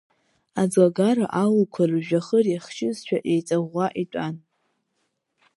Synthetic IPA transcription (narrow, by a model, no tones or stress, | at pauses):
ad͡zwaɡaɾaʔawukʷʰarʒᶣaχəriχʃʰɪzʃᶣʰaʔejt͡sʼaʁʷaʔitʷʼan